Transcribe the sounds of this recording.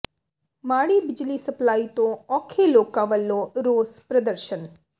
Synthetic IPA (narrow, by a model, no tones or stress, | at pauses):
maɽibɪd͡ʒlisəplait̪oɔkʰelokaʋəlːoɾospɾəd̪əɾʃən